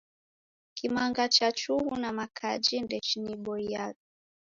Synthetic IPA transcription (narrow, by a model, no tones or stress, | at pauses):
kimaŋɡat͡ʃat͡ʃuhunamakʰad͡ʒindɛt͡ʃiniɓɔiak